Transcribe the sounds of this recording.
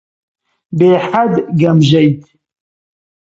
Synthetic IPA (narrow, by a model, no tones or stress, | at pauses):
beːħadɡamʒajtʼ